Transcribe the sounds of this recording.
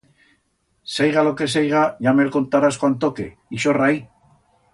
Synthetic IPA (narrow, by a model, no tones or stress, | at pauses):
sajɣalo̞ke̞s̬ejɣaʝamelko̞nt̪aɾaskwant̪o̞ke̞̰ | iʃo̞raj